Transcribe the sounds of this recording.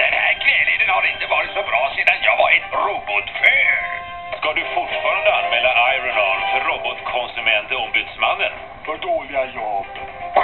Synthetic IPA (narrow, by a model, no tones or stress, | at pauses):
d̪̥ɛnhæːɾkʰlɛːled̪ənhaɾɪnt̪əvɑːɾɪt̪sɔbɾɑːseːd̪anjɑːɡvaɾɛt̪ɾuːbɔt̪fœːɾ | skad̪ɵfʊʈfɑːɾand̪əanmɛːlːaʔajɾɔnɔlfœɾːɔbɔt̪kʰɔnsɵmɛnt̪ɔɔmbʉt̪smanːən | fœɖoːlɪɡajɑːb